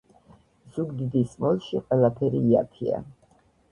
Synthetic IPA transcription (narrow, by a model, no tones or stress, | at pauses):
z̥uɡd̪id̪ismɔlˠʃiqʼwɛlˠapʰɛɾiːa̰pʰia̰